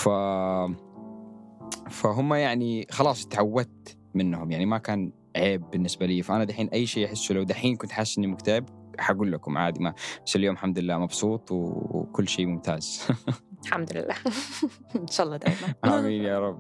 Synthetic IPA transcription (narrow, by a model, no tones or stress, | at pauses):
fa | faɦʊmːajaʕnixɑlɑːsˤt̪ʕawːat̪ | mɪnːhʊmjaʕnimakaːn | ʕeːbːɪnːɪsbaliːfaʔanad̪aħiːnʔajːʃeːʔaħɪsːulawd̪aħiːnkʊnt̪ħaːsːʔɪnːimʊkt̪aɪbħaɡuːlːakʊmʕa̰ːd̪ɪmab̥asːɪljoːmħamd̪lɪlːaːmɑbsˤuːt̪ˤwkʊlːʃeːmʊmt̪aːz̥ | ħamd̪ʊlɪ̰lːa̰ː | nʃaːʔɑlˤːɑːd̪aːjmaʔaːmiːnjɑːɾˤɑb